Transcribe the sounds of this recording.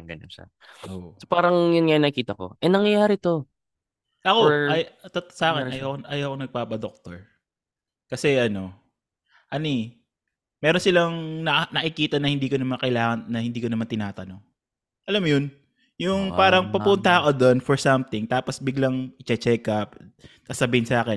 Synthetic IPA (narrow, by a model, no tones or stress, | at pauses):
ɡɐna̰ | osopaːɾɐŋjʊnŋɐjnɐkiːt̪ɐko̞̰ʔɛnɐŋjɐjaːɾɪt̪o | ʔɐkoɐjt̪ɐt̪sɐʔaːkɛʔɐjawkoʔɐjawkonɐɡ̚paːpɐd̪ok̚t̪oɹ | kɐsɛʔɐno̞ | ʔɐni | mɛːɾo̞nsɪlɐŋnɐnɐʔɪkiːt̪ɐnɐhɪnd̪iːkonɐmɐnkɐjlaːŋɐnːɐhɪnd̪iːkonɐmant̪ɪnaːt̪ɐno̞ŋ | ʔɐlamjon | jʊŋpaːɾɐŋpɐpʊnt̪ɐɐkod̪onfɔɹsɐmt̪ɪŋt̪aːposbɪɡlaŋɪt͡ʃɛt͡ʃɛkɐpkɐsɐbiːhɪnsaːkɛn